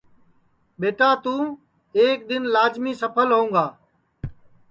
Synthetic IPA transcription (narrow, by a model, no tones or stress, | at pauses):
ɓeːʈaːt̪ũː | eːk̚ɗ̪ɪnlaːzmiːsəpʰəlɦõːŋɡaː